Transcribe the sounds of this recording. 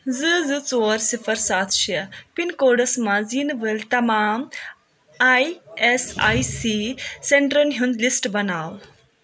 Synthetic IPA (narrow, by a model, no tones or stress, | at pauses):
zɨzɨt͡soːɾsifʰɐɾsaːt̪ʰʃɐpinkoːɖɐsmãzinʋəlt̪ɐmaːm | ajesaːjsiseɳʈɾonɦũnd̪lisʈbɐnaːw